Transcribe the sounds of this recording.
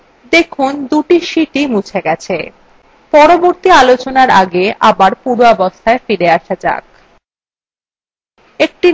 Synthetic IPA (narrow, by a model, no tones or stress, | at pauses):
d̪ekʰund̪uʈiʃiʈimut͡ɕʰeɡɛt͡ɕʰe | pɔɾoboɾt̪ialot͡ɕonaɾaɡeʔa̰baɾpuɾoɔbost̪ʰaefiɾeaʃad͡ʑa̰k̚ | ek̚ʈi